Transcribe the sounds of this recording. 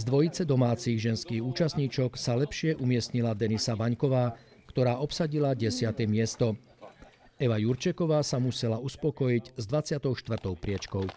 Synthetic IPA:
zd̪ʋɔjit͡sɛd̪ɔmaːt͡siːɣʒɛnskiːɣuːt͡ʃast̪ɲiːt͡ʃɔksalɛpʃɪɛʔumɪɛsɲilad̪ɛnisaʋaɲkɔʋaː | kt̪ɔɾaːʔɔpsaɟilaɟɛsɪat̪ɛmɪɛst̪ɔ | ɛʋajuɾt͡ʃɛkɔʋaːsamusɛlauspɔkɔjiɟzd̪ʋat͡sɪat̪ɔʊʃt̪ʋr̩t̪ɔʊpɾɪɛt͡ʃkɔʊ

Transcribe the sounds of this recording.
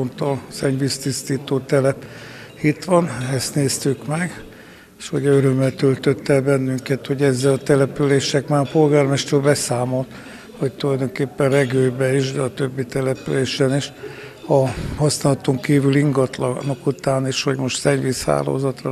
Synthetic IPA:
ont̪olsɛɲvist̪ist̪iːt̪oːt̪ɛlɛp | hit̪ʋɒnɛst̪neːst̪ykmɛɡ | ʃhoɟøɾømːɛlt̪ølt̪øt̪ːɛlbɛnːyŋkɛt̪ho̞ɟɛzːɛlɒt̪ɛlɛpyleːʃɛkmaːɾɒpo̞lɡaːrmɛʃt̪øːlbɛsaːmo̞lt̪ | ho̞c̚t̪ulɒjd̪o̞ŋkeːpːɛnrɛɡøːbɛiʃd̪ɛɒt̪øbːit̪ɛlɛpyleːʃɛniʃ | ɒhɒsnaːlɒt̪oŋkiːvyliŋɡɒt̪lnokut̪aːniʃho̞ɟmo̞ʃt̪sɛɲvisha̰ːlo̰ːzɒt̪rɒ̰

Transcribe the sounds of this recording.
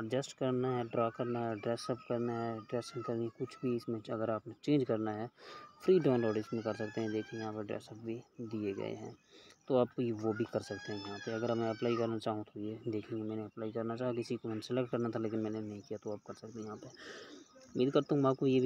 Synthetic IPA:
əd͡ʒəsʈkɐɾnaɦɛɖɾaːkɐɾnaɦɛɖɾɛːsəpkɐɾnaɦɛɖɾeːsɪ̃ŋɡkɐɾnikʊt͡ʃʰbʱiɪsmẽɐɡəɾaːpnẽt͡ʃẽːnd͡ʒkɐɾnaɦɛːpʰɾiːɖãːnlɔːɖismẽkɐɾsɐk̚t̪eɦɛ̃d̪eːkʰĩjɦãːpeɖɾɛ̰ːsəp̚bʱid̪ieɡɐ̰ḛɦɛ̰̃ːt̪oaːpʋobʱikɐɾsɐk̚t̪eɦɛ̃jɐɦãːpeɐɡəɾɐmɛ̃ɐplaːikɐɾnat͡ʃaːɦũt̪ʰojeːd̪eːkʰĩomɛ̃ːneɐplaːikɐɾnat͡ʃaːɦakɪsikomɛ̃nsələkʈ̚kɐɾnat̪ʰaleːk̬ɪnmɛ̃ːnenɐɦĩkijat̪oaːp̚kɐɾsɐk̚t̪eɛ̃jɐɦãːpe | miːd̪kɐɾt̪aɦũmaːp̚kojeb

